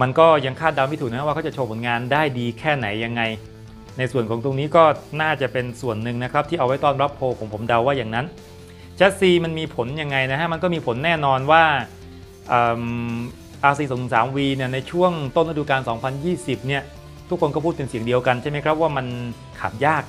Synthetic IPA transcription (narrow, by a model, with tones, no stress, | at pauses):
ma˧nkɔː˥˩ja˧ŋkʰaː˥˩t̪̚da˧wmi˦˥˩uː˨˩na˦˥a˥˦wa˥˩kʰt͡ɕa˨˩t͡ɕʰo˧pʰo˩˦nŋaː˧ndaː˥˩jdiː˧kʰɛː˥˩na˩˦jːa˧ŋːa˧j | na˧jsu˨˩ənkɔː˩˦ŋt̪o˧ŋniː˦˥kɔː˥˩naː˥˩t͡ɕa˨˩pe˧nsu˨˩ənːɯ˨˩ŋna˦˥kʰɾa˦˥p̚t̪ʰiː˥˩ʔwa˦˥jt̪ɔː˥˩nɾa˦˥pʰːoː˧kʰo˩˦mpʰo˩˦mda˧wːaː˥˩jaː˨˩ŋna˦˥n | t͡ɕʰɛ˦˥t̚siː˧ma˧nmiː˧pʰo˨˩˦nja˧ŋːa˧jna˦˥kʰa˦˥ma˧nkɔː˥˩miː˧pʰo˩˦nːɛː˥˩nɔː˧nwaː˥˩ | ʔɤː˨˩m | ʔaː˧s̬iː˧soː˨˩˦ŋnɯ˨˩ŋsaː˩˦mwiː˧ni˥˩ɐna˧jt͡ɕʰu˥˩əŋt̪o˥˩nɾa˦˥duː˧kaː˧nsɔː˩˦ŋpʰa˧njiː˥˩si˨˩p̚ni˥˩ɐ | t̪ʰu˦˥kʰːo˧nkɔː˥˩pʰu˥˩t̪pe˧nsi˨˩˦əŋdi˧əwka˧nt͡ɕʰa˥˩jma˦jkʰɾa˦˥p̚waː˥˩ma˧n | kʰaː˨˩m̚jaː˥˩k̚